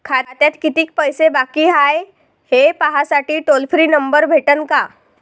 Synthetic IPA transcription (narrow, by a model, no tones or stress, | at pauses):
kʰaɾat̪jat̪kit̪iːk̚pəjsebakiɦaj | hepaɦasaʈiːʈolfɾiːnəmbəɾbʱeʈənka